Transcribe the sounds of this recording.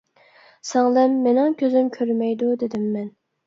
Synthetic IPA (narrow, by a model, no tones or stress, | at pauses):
sɛŋlˠɛmːenɪŋkʲʰøzymkʲʰøɾmɛjd̪ud̪ed̪ɪmːɛn